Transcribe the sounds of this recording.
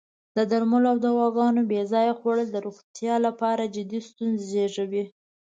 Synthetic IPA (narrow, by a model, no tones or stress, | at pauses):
d̪əd̪aɾmʊloawd̪awɑɡɑnobezɑjaxoɽəld̪əɾuxt̪jɑlapɑɾad͡ʒɪd̪ist̪unzzeʐawi